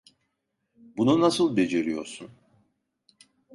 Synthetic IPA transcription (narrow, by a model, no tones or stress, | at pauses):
bununasɯlˠbe̞d͡ʒeɾijo̞̰ɾsun